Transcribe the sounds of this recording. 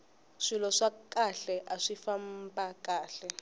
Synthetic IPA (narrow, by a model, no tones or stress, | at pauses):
ʂilɔʂakaɬɛʔaʂifam̩pʼakaːɬɛ